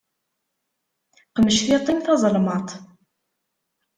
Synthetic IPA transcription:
qəməʃθit̪ˤːimθɑzˤəlmɑt̪ˤ

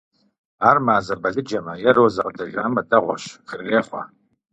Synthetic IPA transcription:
aːrmaːzɐbɐɮɨd͡ʒɐmɐjɛroːzɐʁdɐʒʷaːmɐdɐʁʷɔ̰ʃχəreːχʷɐ̰

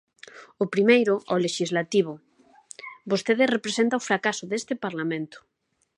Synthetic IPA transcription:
ʊpɾimejɾʊʔɔleʃizlat̪iβ̞ʊ | bost̪eðesrepɾesent̪aʊfɾakasʊðest̪ɪpaɾlamẽnt̪ʊ̥

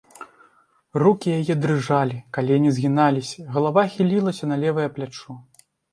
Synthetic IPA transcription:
rukʲijajɛd̪ɾɨʐalʲikalʲijanʲizʲɣʲinalʲisʲɐɣɐlˠavaxʲilʲilˠɐsʲɐnɐlʲɛvɨjɐplʲat͡ʂu

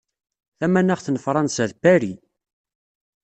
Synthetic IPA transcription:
θæmænæʁθnəfɾˤɑnsæðbæɾi

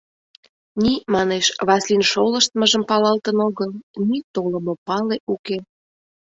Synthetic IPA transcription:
nimɑneʃβɑslinʃoləʃt̪məʒəmpɑlɑlt̪ənoɣəlnit̪oləmopɑleʔuke

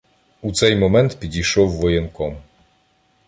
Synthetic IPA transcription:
ut̪sɛjmɔmɛnt̪pʲid͡ʑiʂɔwːɔjɛnkɔm

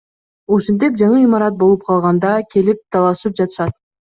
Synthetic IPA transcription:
uʃent̪̬ip̚d͡ʒɑɴɯimɑɾɑt̪̚bo̞lˠup̚qʰɑlˠʁɑnd̪ɑkʲe̞lip̚t̪ʰɑlˠɑʃɯp̚d͡ʒɑt̪ɯ̥ʃɑt̪̚

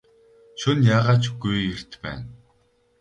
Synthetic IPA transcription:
ʃʊnjaːʁaːt͡ɕɡujer̥t̪pæ̰ːn

